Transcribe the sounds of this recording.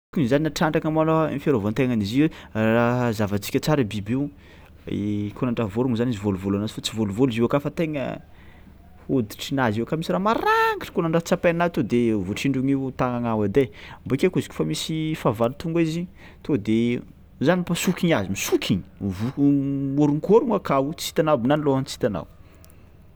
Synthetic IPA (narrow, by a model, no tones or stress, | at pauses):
kunzaninaʈ͡ʂaɳɖ͡ʐakamanomifeɾovont̪eŋaniziwerazavat͡si̥kʲət͡saɾabibew | ekonaɳɖ͡ʐavoɾuŋzanizivoluvolanazifat͡sivoluvoluziwakafət̪eŋə̰ | hod̪i̥ʈ͡ʂinaziwakamisiɾamaɾaŋɡiʈ͡ʂi̥konaɳɖ͡ʐat͡sapenat̪od̪evuʈ͡ʂiɳɖ͡ʐuŋewt̪aŋaŋawad̪embokʲekuzi̥kʲu̥famisifavalut̪uŋɡizi | t̪od̪e | zanipasukʲiɲazimisukʰʲiɲi̥vumoɾuŋkoɾuŋakawut͡si̥t̪anawbinaniloɦant͡si̥t̪ana̰w